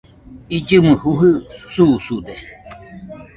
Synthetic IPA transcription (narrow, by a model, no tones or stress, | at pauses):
id͡ʒɨmɨhuɦɨsusud̪e